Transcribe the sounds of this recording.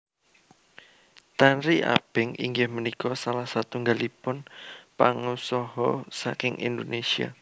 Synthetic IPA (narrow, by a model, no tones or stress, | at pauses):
t̪anɾiʔa̰b̥ɪŋḭŋɡɪhmənikɔsalahsat̪uŋɡalipʊnpaŋusɔɦɔsakɪŋʔḭnd̪onesia̰